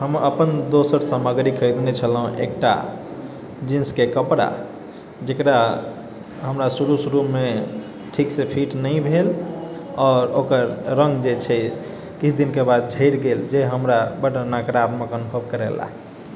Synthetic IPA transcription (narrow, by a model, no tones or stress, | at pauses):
ɦəmə̰pənd̪osəɾsəməɡɾikʰəjd̪net͡ʃʰəlɦũʔḛk̚ʈa̰ | d͡ʒĩnskekəpɽa̰ | d͡ʒekɾa | ɦəmɾasuɾusuɾume | ʈʰiksepʰiʈnəĩbʱel | ɔːɾokəɾːə̃ŋɡd͡ʒet͡ʃʰɛ | kit͡ʃʰd̪inkebad̪̚d͡ʒʱəɪɾɡeld͡ʒeɦəmɾabəʈənakɾat̪məkənubʱəbkəɾɛ̰la̰ɦ